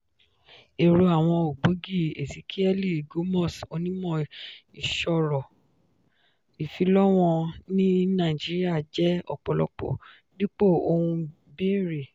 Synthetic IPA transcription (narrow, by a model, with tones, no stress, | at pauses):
e˨ɾo˧a˨w̃ɔ̃˧o˨ɡ͡bo˨˦ɡi˦˨e˨ti˨˦kʰi˦ɛ˦li˦˨ɡo˨˦mɔ˦˨so˧nĩ˦mɔ̃˦˧˨i˨ʃɔ˧˨ɾɔ˨ | i˨fi˨˦lɔ˦w̃ɔ̃˧nĩ˦nã˦˨d͡ʒi˨˦ɾi˦a˦˨d͡ʒɛ˦ɔ̰˨k͡pɔ˨lɔ̰˧˦k͡pɔ̰˨ | di˦k͡po˦˨o˧hũ˧ | be˦˨ɾe˨